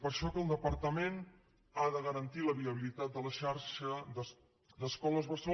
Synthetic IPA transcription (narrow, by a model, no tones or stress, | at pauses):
pəɾʃɔkəːlˠd̪əpəɾt̪əmen | aðəɣəɾənt̪iləβiəβ̞ilit̪at̪̚d̪ələʃaɾʃəd̪ə | d̪əskɔləzβəso